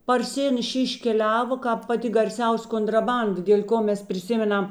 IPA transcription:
pɐrʲˈsʲɪnʲɛʃʲeː ɪʃʲkʲɛˈlʲæːʋoː ˈkɑːp pɐˈtʲɪ ɡɐrʲˈsʲɛʊsʲ koːntrɐˈbɐndɐ dʲeːlʲ ˈkoː ˈmʲɛs pʲrʲɪˈsʲɪmʲɛˌnɐm

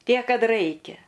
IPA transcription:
ˈtʲiɛk ˈkɐt ˈrɐɪkʲɛ

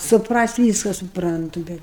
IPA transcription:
sʊpˈrɐsʲtʲ ˈʋʲiːskɐ sʊˈprɐntʊ ˈbʲɛt

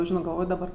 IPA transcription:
ˈʒʲɪnoː ɡɐlˠˈʋoːj dɐˈbɐr

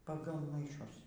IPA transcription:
pɐˈɡɐlˠ mɐɪˈʃʊs

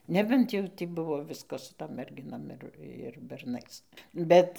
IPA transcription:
ˈnʲæːbʲɛnt jɛʊ tʲiː ˈbʊʋoː ˈʋʲɪskɐs sʊ ˈtoːm mʲɛrʲˈɡʲɪnoːm ɪr ɪr bʲɛrˈnɐɪs ˈbʲɛt

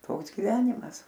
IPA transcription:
ˈtoːks ɡʲɪˈʋʲæːnʲɪmɐs

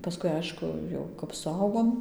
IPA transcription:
pɐˈskʊɪ ˈɐɪʃkʊ ˈjɛʊ kɐp sʊˈɐʊɡoːm

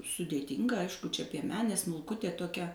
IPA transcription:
sʊdʲeːˈtʲɪŋɡɐ ˈɐɪʃkʊ t͡ʃʲɛ pʲiɛˈmʲæːnʲeː smʊlˠˈkʊtʲeː toːˈkʲɛ

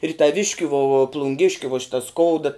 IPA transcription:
ɪr tɐˈʋʲɪʃʲkʲʊ ʋoː ʊ plˠʊŋʲˈɡʲɪʃʲkʲʊ ʋoː ˈʃʲɪtɐ ˈskoːʊdɐ

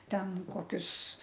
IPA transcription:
ˈtʲɛn ˈkoːkʲʊs

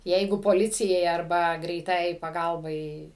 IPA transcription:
ˈjɛɪɡʊ poːˈlʲɪt͡sʲɪjɛɪ ɐrˈbɐ ɡrʲɛɪˈtɑːjɛɪ pɐˈɡɐlˠbɐɪ

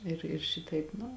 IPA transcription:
ɪr ɪr ˈʃʲɪtɐɪp ˈnʊ

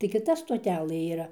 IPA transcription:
tɐɪ kʲɪˈtɐ stoːˈtʲæːlˠɘ iːˈrɐ

